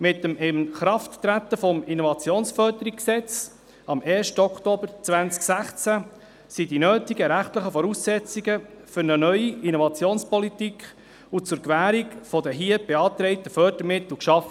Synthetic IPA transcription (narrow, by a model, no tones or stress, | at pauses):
mɪt̪əmɪmχɾɑftːɾæt̪ːəfɔminovɑt͡sjoːnsfœɾdəɾikksɛt͡s | ɑmɛːɾʃtəɔkt̪oːbəɾt͡sʋænt͡sksæχt͡sæ | sidinøːtiɡəɾæχt̪ləχəfɔɾuːsːɛt͡siɡəfʏɾnənœʏiinɔvɑt͡sjoːnspɔlitikχ | ut͡sʊɾkʋæːɾikfɔd̪əɦiəb̥eɑːt̪ɾɛɪt̪əfœd̥əɾmɪt̪l̩kʃɑfə